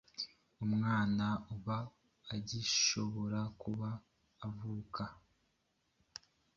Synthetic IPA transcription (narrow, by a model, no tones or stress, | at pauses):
umŋaːnauβaː | ɟiʃo̞βo̞ɾakuβaː | vuːka